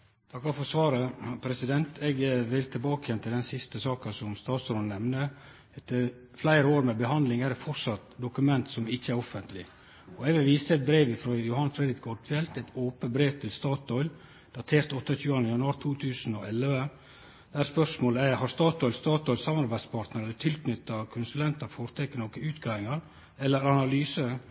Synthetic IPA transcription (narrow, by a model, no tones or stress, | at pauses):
t̪ʰɑkːɑfɔsʋɑːɾəpʰɾɛsɪd̪ɛnt̪ʰɛɡʋɪlt̪ʰɪlbɑːkəjɛnt̪ɪld̪ɛnsɪst̪əsɑːkəsɔmst̪ɑːt̪sɾoːnnɛmnə | ɛt̪ːə | flæɪɾəoːɾmɛbəɦɑnd̪lɪŋæɾɛfɔɾsɑt̪d̪ʊkʉmɛnt̪sɔmɪçːəæɾɔfənt̪lɪ | ɔɛɡʋɪlʋiːst̪əɛt̪̚bɾeːʋɪfɾoːjʊhɑnfɾɛd̪ɾɪkʰɔɖfɛlt̪ɛt̪ʰoːpənbɾeːʋt̪ʰɪlst̪ɑːt̪ɔʏl | d̪̥ɑt̪ʰeːɾt̪ɔt̪ːəçʉːɑnəjɑnʉɑːɾt̪ʰuːt̪ʰʉːsnɔɛlːʋə | d̪̥æɾspœʂmoːləæhɑɾst̪ɑːt̪ɔʏlst̪ɑːt̪ɔʏlsɑmɑɾbæɪ̥spʰɑɾʈt̪nəɾɛlːət̪ʰɪlk̪nʏt̪ːɑkʰʊnsʉlɛnt̪ɑfoːɾt̪ʰɛkːənoːkəʉːt̪ɡɾɑːʋɪŋɑɾ | ɛlːəɾɑnɑlyːsə